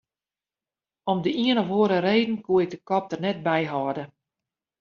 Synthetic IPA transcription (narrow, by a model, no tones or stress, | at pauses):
ɔmdəiənɔχʋoəɾəreːdn̩kuəɪk̚dəkɔp̚tərnɛt̚bɛjɦɔdə